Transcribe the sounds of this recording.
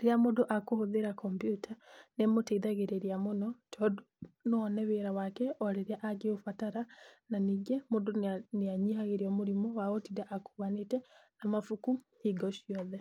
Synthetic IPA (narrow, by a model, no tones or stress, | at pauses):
ɾeeamodoʔakohoðeɾakʰɔmbjutʰanemoteiðaɣeɾeɾiamonɔtʰɔdononɛβeɾawakɛʔɔɾeɾaʔaɡeofataɾananiːɡɛmodoneaɲihaɣeɾiɔmoɾimɔwaɔtidaʔakuɣanetɛ | amafukuhiɡɔʃiɔðɛ